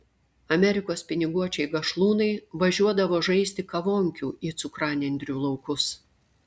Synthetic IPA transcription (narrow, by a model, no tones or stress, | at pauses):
ɐmʲɛɾʲɪkoːspʲɪnʲɪɡuɔt͡ʃʲɛɪɡɐʃlˠuːnɐɪʋɐʒʲuɔd̪ɐʋoːʒɐɪsʲt̪ʲɪkɐʋoːŋʲkʲuːʔiːt̪sʊkɾɑːnʲɛnʲd̪ʲɾʲuːlˠɐʊkʊs